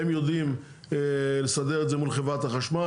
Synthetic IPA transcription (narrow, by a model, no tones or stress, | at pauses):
emjod̪im | lesad̪eʁetzemulχevʁat̪haχaʃma